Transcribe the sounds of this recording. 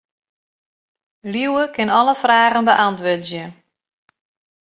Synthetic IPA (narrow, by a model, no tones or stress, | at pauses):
liwəkʰɪnɔləfraːɣənbəʔantʋøtzjə